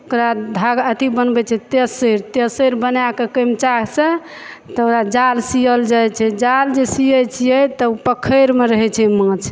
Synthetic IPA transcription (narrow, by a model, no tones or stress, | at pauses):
okɾad̪ʱaɡət̪ibənbɛt͡ʃʰɛt̪esəɾt̪esəɾbənakekəmt͡ʃaksẽ | t̪oɾad͡ʒalsijəld͡ʒajt͡ʃʰɛd͡ʒald͡ʒesiət͡ʃʰijɛt̪əupəkʰəɾmeɾəɦɛt͡ʃʰɛmãt͡ʃʰ